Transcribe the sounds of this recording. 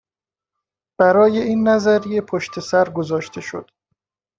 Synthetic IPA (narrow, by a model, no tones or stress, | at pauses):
b̥æɾɒːje̞iːnːæzæɾije̞pʰoʃt̪ʰe̞sæɾɡozɒːʃt̪ʰe̞ʃo̞̰d̪̥